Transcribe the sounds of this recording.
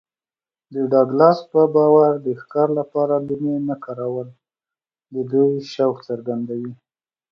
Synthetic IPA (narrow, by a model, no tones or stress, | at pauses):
d̪əɖɑɡlɑspəbɑwaɾd̪əxkɑɾlapɑɾalumenakɑɾawəl | d̪əd̪ujʃawkt͡səɾɡand̪awi